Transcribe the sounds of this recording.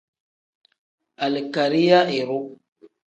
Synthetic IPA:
a˨le˨ka˨ɾi˦ja˦e˨ɾo˦

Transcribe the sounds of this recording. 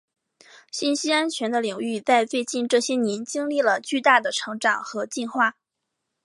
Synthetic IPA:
ɕi˥˩nɕi˥a˥nt͡ɕʰɥɛ˧˥nd̪ə˧li˨˩ŋy˥˧t͡sa˥˧ɪfe˥˧ɪt͡ɕi˥˧nʈ͡ʂɤ˥˩ɕjɛ˥njɛ˧˥nt͡ɕi˥ŋli˥˩lə˩t͡ɕy˥˧t̪a˥˩d̪ə˩ʈ͡ʂʰɤ˧˥ŋʈ͡ʂɑ˨˩ŋxɤ˧˥t͡ɕi˥˧nxwa˥˩

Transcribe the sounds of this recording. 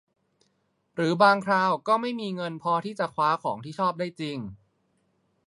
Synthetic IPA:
ɾɯː˩˦baː˧ŋkʰɾaː˧wkɔː˥˩ma˥˩jmiː˧ŋɤ˧npʰɔː˧t̪ʰiː˥˩t͡ɕa˨˩kʰwaː˦˥kʰɔ̰ː˩˦ŋt̪ʰiː˥˩t͡ɕʰɔː˥˩p̚daː˥˩jt͡ɕi˧ŋ

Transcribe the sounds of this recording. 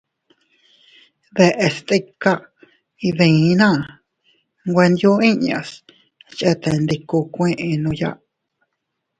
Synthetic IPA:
ðe˧ʔe˧st̪i˧ka˦ | i˧ðẽ˧˨˦nã˦˨ | ŋɡʷe˧nd̪ju˦ĩ˦ɲã̰˧s | t͡ʃʔe˦t̪e˧˨nd̪i˧ku˧kʷẽ˦ʔẽ˧nũ˧ja̰˦ʔ

